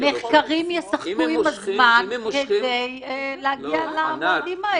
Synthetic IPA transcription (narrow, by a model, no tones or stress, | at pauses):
meχkaʁimjesaχkuimazmanked̪ej | leaɡialamadima